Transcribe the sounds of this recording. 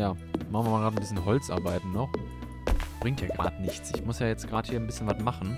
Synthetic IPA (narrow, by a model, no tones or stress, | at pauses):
jaːmaχn̩vamaːɡʁaːtn̩bɪsçənɦɔlt͡sʔa̰ɐbaɪtn̩nɔχ | b̥ʁɪŋktjaːɡʁa̰ːdnɪçt͡sʔɪçmʊsjaːjɛt͡stɡ̥ʁaːtə̥hiːɐnbɪsçənvatmaχn̩